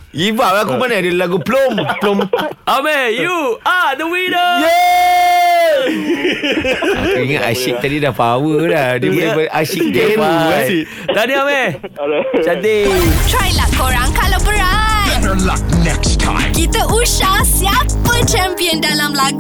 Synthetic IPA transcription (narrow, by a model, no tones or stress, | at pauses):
jibawakumanadilaɡuplomplomamɛjuadəwidəjɛ | kiŋaʔa̰ʃik̚t̪adidapawədadiməibəʔaʃik̚deaaji | t̪adiamɛ | t͡ʃat̪etʰɾajlakoɾãŋkalabəɾajəla̰k̚nɛkstʰã̰j̃mkit̪aʔuʃahsiapət͡ʃɛ̃mpiə̃ndalamlaɡu